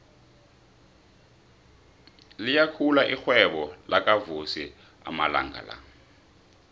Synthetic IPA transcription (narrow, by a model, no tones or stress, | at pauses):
lijakʰulaʔixwɛɓɔlakʼavusi | a̰mala̰ŋɡa̰la̰